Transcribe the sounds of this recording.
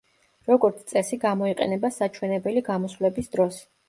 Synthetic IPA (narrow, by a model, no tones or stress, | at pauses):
ɾɔɡɔɾt̪sʰt̪sʼɛsiɡamɔiqʼɛ̰nɛbasat͡ʃʰwɛnɛbɛliɡamɔsvlɛbisd̪ɾɔs